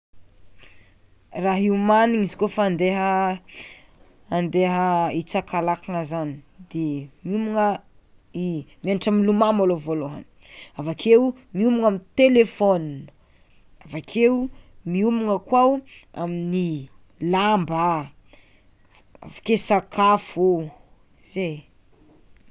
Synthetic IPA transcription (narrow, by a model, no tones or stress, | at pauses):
raɦiumaniŋizi̥kofaːnd̪eɦə | nd̪eɦəit͡sakalakaŋəzanid̪̥emiumuŋə | imaniʈ͡ʂaminlumamolovoloɦə̰ni̥avakʰew | miumuŋamint̪elefonin | avakʰeumiumuŋəkwawamini | lamba | a̰vakesakʰafu | iz̥ej